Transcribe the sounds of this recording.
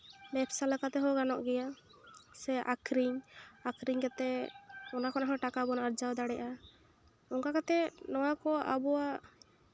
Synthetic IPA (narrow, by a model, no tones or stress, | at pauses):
mɛpsaləkat̪ɛɦɔɡanɔʔɡɛja | sɛʔakʰɾiɲakɾiɲkɛt̪ɛɔnakɔnaɦɔʈakabɔnaaɾd͡ʒawd̪aɽɛʔa | ɔŋkakat̪ɛnɔwakɔʔabɔwa